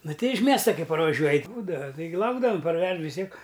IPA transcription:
ˈnʊˈtʲɛɪ ɪʃ ˈmʲiɛstɐ ˈkɐɪ pɐrʋɐˈʒʲuɔj ˈbuːdɐʋɐ tɐɪˈɡʲɪ ˈlˠɐʊɡdɐʋɐm pɐrʲˈʋʲɛʃ ʋʲɪs ˈtʲiɛk

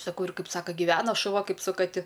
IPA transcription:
sɐˈkɐʊ ɪr ˈkɐɪp ˈsɑːkɐ ɡʲɪˈʋʲæːnɐ ʃʊˈʋɐ ˈkɐɪp sʊ kɐˈtʲɪ

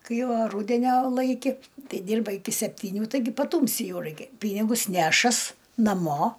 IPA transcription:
ˈkɐɪ oː ˈruːdʲɛnʲoː ˈlˠɐɪkʲɪ ˈtʲɛɪ ˈdʲiːrbɐ ɪˈkʲɪ sʲɛpʲtʲiːˈnʲuː tɐɪˈɡʲɪ pɐˈtuːmʲsʲɪ ˈjɛʊ ˈrɐɪkʲɛ ˈpʲiːnʲɪɡʊs ˈnʲæːʃɐs nɐˈmoː

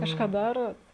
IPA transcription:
ˈkɑːʃkɑː ˈdɑːroːt

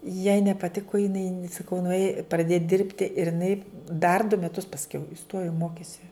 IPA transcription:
jɛɪ nʲɛpɐˈtʲɪkʊ jɪˈnɐɪ sɐˈkɐʊ nʊˈeːj prɐˈdʲeːj ˈdʲɪrʲpʲtʲɪ ɪr ɪˈnɐɪ dɐr dʊ mʲɛˈtʊs pɐsʲˈkʲɛʊ ɪˈstoːjoː ˈmoːkʲeːsʲɪ

